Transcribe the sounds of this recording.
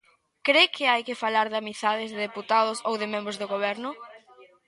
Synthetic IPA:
kɾekʰɪajkɪfalaɾðamiθaðɪzðeðeput̪aðʊsowðɪmẽmbɾʊzðoɣoβ̞ɛɾnʊ

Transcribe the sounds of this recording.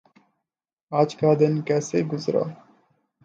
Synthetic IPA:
aːt͡ʃkaːd̪enkaseɡʊzɾa̰ː

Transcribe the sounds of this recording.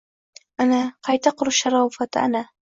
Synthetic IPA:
ʔanaːqɑjt̪ɑqɾʃːɑɾˤɑːfat̪ʔa̰naː

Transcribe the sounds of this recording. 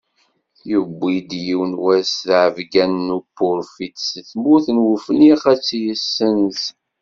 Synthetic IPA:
jəbːid̪jiwnwæsθʕəvɡænːupːʊɾfit̪səθmʊθnwəfəniχæt͡sːjəsːəns

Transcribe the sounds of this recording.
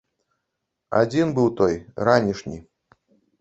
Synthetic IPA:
a̰d͡zʲinbɨwt̪ɔjɾanʲiʂnʲḭ

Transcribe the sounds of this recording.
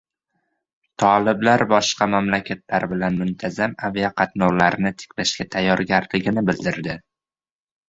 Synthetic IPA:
t̪ʰɒlɪblaɾbɒʃqɑmamlakʲʰat̪̚ʰlaɾbɪlanmʊnt̪ʰazamavijaqʰɑt̪nɒwlaɾnɪt̪ʰɪ̥kʲlaʃkʲat̪ʰajːɒɾɡʲaɾlɪɡʲɪnɪbɪld̪ɪɾd̪ɪ

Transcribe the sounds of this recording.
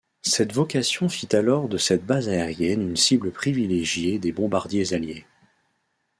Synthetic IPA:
sɛt̪vɔkʲasjɔ̃fit̪alɔʁd̪əsɛt̪̚bazaeʁjɛnynsibləpχivileʒjed̪ebɔ̃baʁd̪jezalje

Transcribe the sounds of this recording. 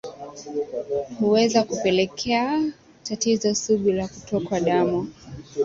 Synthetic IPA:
huwɛzakupɛlɛkʰɛa | tatizɔsuɓulakutɔkwaɗamu

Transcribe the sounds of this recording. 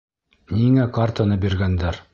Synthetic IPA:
niŋækart̪anɤbiɾɡænd̪æɾ

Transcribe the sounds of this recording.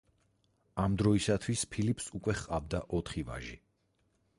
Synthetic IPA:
amd̪ɾɔisat̪ʰwispʰilipʰsukʼwɛχqʼavd̪aʔɔt̪ʰχiva̰ʒḭ

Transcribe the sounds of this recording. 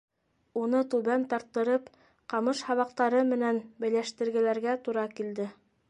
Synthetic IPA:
unɤt̪ʉβænt̪ɑɾt̪ːɤ̆ɾɤp | qɑmɤʃhɑβɑq̚t̪ɑɾɤmɘ̆nænbɘ̆jlæʃt̪ɘ̆ɾɡɘ̆læɾɡæt̪uɾɑkild̪ɘ

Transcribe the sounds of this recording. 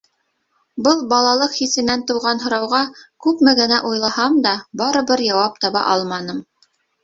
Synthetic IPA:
bɤlˠbɑlˠɑlˠɤqχisɘ̆nænt̪ŏwʁɑnɦŏɾɑwʁɑkʉpmɘɡɘ̆næʔujlˠɑhɑmd̪ɑbɑɾɤ̆βɤɾjɑwɑp̚t̪ɑβɑ̰ʔɑlˠmɑnɤm

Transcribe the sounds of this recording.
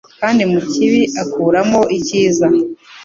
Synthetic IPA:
kaːndimuciβiʔakuːɾamo̞ʔiciːza

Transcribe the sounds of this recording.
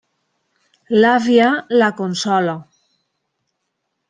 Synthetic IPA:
lavjalakonsɔla

